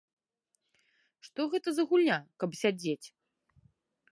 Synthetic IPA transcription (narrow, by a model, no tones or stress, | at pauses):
ʂt̪ɔɣɛt̪ɐzɐɣulʲnʲakɐpsʲad͡zʲet͡sʲ